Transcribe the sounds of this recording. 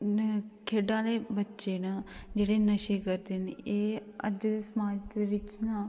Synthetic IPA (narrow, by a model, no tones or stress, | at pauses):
nkʰeːɖãːleːbətːʃeːnaːd͡ʒeːɽeːnəʃeːkəɾd̪ɪneːəd͡ʒd̪eːsəmaːd͡ʒət̪d̪eːʋɪt͡ʃnãː